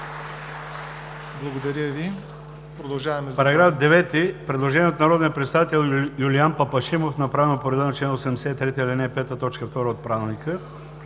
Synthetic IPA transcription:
blˠɐɡod̪ɐɾʲjəvi | pɾod̪ɐlˠʒavɐmɛzpɐɾɐɡɾafd̪ɛvɛt̪ipɾɛd̪lˠoʒɛnʲiɛot̪nɐɾɔd̪nijəpɾɛt̪savit̪ɛlˠjulianpɐpɐʃimofnɐpɾavɛnopoɾɛd̪ɛnɐt͡ʃɛnosɛmd̪ɛsɛt̪ɾɛt̪əilinɛpɛt̪ət̪ɔt͡ʃkəft̪ɔɾəot̪̚pɾavɛlˠnikə

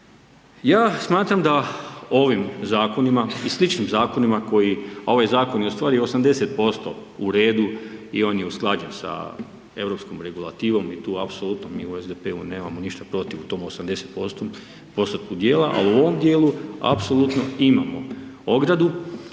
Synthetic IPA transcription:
jaːsmaːt̪ɾamd̪ao̞ʋimzaːko̞nimaislit͡ʃnimzaːko̞nimako̞jiao̞ʋajzaːko̞njeost̪ʋaːɾiosamd̪e̞set̪̚po̞st̪o̞̰uɾe̞ːd̪uio̞ːnjeusklˠaːd͡ʑensa̰ | e̞ʋɾo̞pskomɾe̞ɡulˠat̪iːʋo̞mit̪uːapsolˠut̪nomiːuezd̪epe̞une̞ːmamoniʃt̪apɾo̞t̪iʋut̪o̞ːmosamd̪e̞set̪po̞st̪o | po̞st̪ot̪̚kud̪je̞ːlaʔa̰luo̞ʋomd̪je̞ːlua̰pso̞lˠut̪no̞ima̰mo̞̰oɡɾad̪u

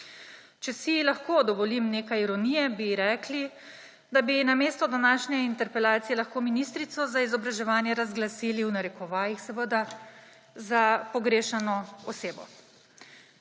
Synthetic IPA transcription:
t͡ʃɛsilaxkoːd̪ɔʋɔlimneːkajiɾɔnijɛbiɾɛːkli | d̪abinameːst̪ɔd̪anaːʃnɛint̪ɛɾpɛlaːt̪sijɛlaxkoːminist̪ɾit̪sɔzaizɔbɾaʒɛʋaːnjɛɾazɡlasiliwnaɾɛkɔʋaːjixsɛʋəd̪a | zapɔɡɾeːʃanɔɔseːbɔ̰

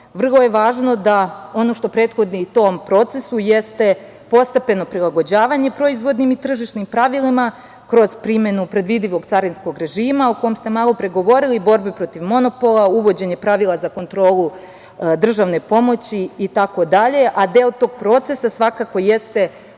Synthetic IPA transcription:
ʋr̩lˠo̞je̞ʋaːʒno̞d̪ao̞no̞ʃt̪o̞pɾet̪xo̞d̪nit̪ompɾo̞t̪se̞sujest̪e̞ | po̞st̪epe̞no̞pɾilˠaɡo̞d͡ʑaːʋaɲe̞pɾo̞izʋo̞d̪nimit̪r̩ʒiʃnimpɾaʋilima | kɾo̞z̥pɾime̞nupɾe̞d̪ʋid̪iʋo̞ɡt̪saɾinsko̞ɡɾe̞ʒiːmaoko̞jomst̪e̞maːlˠo̞pɾe̞ɡo̞ʋo̞ɾilibo̞ɾbepɾo̞t̪iʋmo̞no̞po̞lˠauʋo̞d͡ʑe̞ɲe̞pɾaʋilˠazako̞nt̪ɾo̞ːlˠu | d̪r̩ʒaʋne̞po̞mo̞t͡ɕiːt̪ako̞d̪aʎe̞ʔad̪elt̪o̞ɡ̚pɾo̞t̪se̞sasʋakako̞je̞st̪e̞

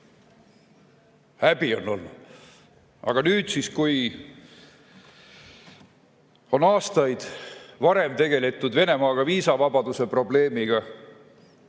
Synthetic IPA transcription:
hæbio̞nːo̞̰lnud̪̥ | ɑ̰ɡ̥ɑnyːd̪̥siskuj | o̞nɑːst̪ɑjd̪̥vɑɾe̞mt̪e̞ɡe̞let̪ːˑud̪ve̞ne̞mɑːɡ̥ɑviːsɑvɑbɑd̪̥use̞pro̞ble̞ːmiɡ̥ɑ

